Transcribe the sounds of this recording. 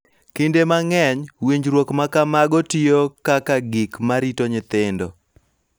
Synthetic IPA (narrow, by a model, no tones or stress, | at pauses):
kindemaŋɛɲwiɲd͡ʒɾwokmakamaɡɔtijokakaɡikmaɾitoɲɪt̪ɪndɔ